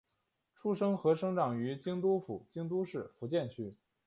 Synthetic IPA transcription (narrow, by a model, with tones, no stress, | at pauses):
ʈ͡ʂʰu˥ʂɤ˥ŋxɤ˧˥ʂɤ˥ŋʈ͡ʂɑ˨˩ŋy˧˥t͡ɕi˥ŋt̪̬u˥fṵ˨˩t͡ɕi˥ŋt̪̬u˥ʂɻ̩˥˩fu˧˥t͡ɕjɛ˥˩nt͡ɕʰy˥